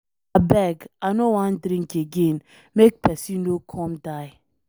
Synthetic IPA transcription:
abɛɡanowãndɾĩŋkeɡẽn | mek̚pɛsinːokʰɔ̃mdaj

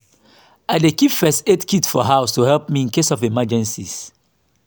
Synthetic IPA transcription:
aɪdekipfɛstetkʰitfɔɦaʊstuhɛlp̚miĩnkesɔfimad͡ʒɛ̃nsḭs

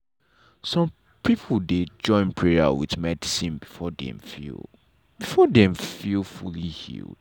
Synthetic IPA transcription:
sɔ̃m | pʰipʰl̩ˠded͡ʒɔ̃ɪ̃npʰɹɛa̰wḭðmɛdisĩnbifɔdɛ̰̃mfḭl | b̥ifɔdɛ̃mfilˠfulihḭlˠd̥

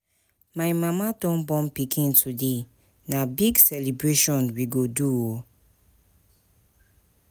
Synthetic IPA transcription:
maɪmãmadɔ̃nbɔ̃mpikʰĩntʰude | nabiɡsɛlibɾeʃɔ̃nwiɡoduo

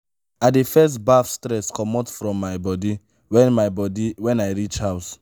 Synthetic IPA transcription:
adefɛs̬tbafstɹɛskʰɔmɔtfɹɔ̃mːajbɔdi | wɛ̃nmajbɔdiwɛ̃najɹit͡ʃhaʊs

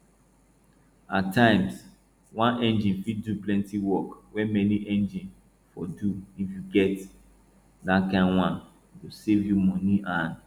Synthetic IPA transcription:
atʰːãɪ̃ms | wãnʔɛ̃nd͡ʒĩnfiduplɛ̃ntiwɔkwɛmɛniʔɛ̃nd͡ʒĩn | fɔduifjuɡɛt | dakãɪ̃nwãn | tosevjumɔniʔãn

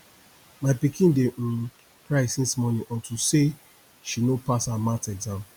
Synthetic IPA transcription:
maɪpikĩndeʔũ | pɹaɪsĩnsmɔnĩʔɔ̃ntuse | ʃinopashamãtɛdãʊ̃n

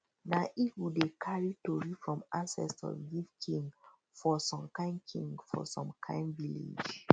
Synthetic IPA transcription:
naʔitwidekʰaɹitoɹifɹɔ̃masɛ̰stɔ̰vɡifkʰĩŋɡ | fɔsɔ̃mkãɪ̃nkʰĩŋɡfɔ̰sɔ̰̃mkʰãɪ̃nvilḛd͡ʒ

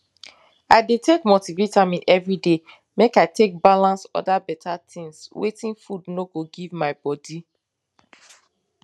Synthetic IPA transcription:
aɪdetekmotivetamĩʔɛvɹide | mekaɪtʰek̚balãnsɔ̰dabɛtʰat̪ʰĩŋswḛtĩnfudnoɡoɡivmaɪbɔdi

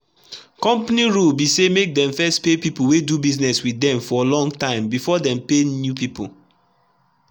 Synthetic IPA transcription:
kɔ̃mpaniɹulbisemek̚dɛ̃ɱfɛstpepipuwedubiznɛswidɛ̃mfɔlɔ̃ŋtãɪ̃mbifɔdɛ̃mpenjupipṵ

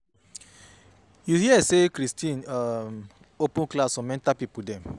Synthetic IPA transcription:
juhiɛsekɾistĩnam | opũnklasɔ̃mɛ̃ntapipudɛ̃m

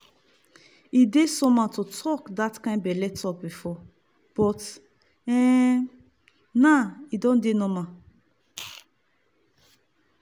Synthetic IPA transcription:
idesɔ̃mãtotʰɔkdatkãɪ̃nbɛlɛtʰɔk̚bifɔ | b̥ɔt | ɛ | naidɔ̃ndenɔ̃mã

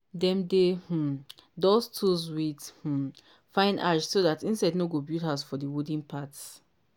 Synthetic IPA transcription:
dɛ̃mdeh̩dɔstʰuzwidh̩ | fãɪ̃naʃsoðatĩnsaɪdnoɡobiltaʊsfɔdiwudĩnpʰat

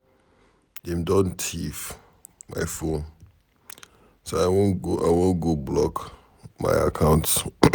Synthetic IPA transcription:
dɛ̃mdɔ̃ntʰif | ma̰ɪfõn | soaɪwõnɡoʔa̰ɪwõnɡoblɔk | ma̰ɪa̰kʰãʊ̃nts

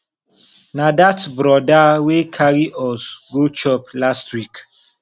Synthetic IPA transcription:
nadatbɾɔdawekʰaɾiʔɔsɡot͡ʃɔplastwik

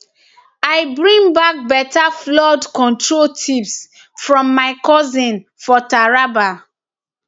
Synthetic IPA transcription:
aɪbɹĩŋbak̚bɛtaflɔdkɔ̃ntɹoltʰips | fɹɔ̃mːaɪkɔzĩnfɔtaɹaba

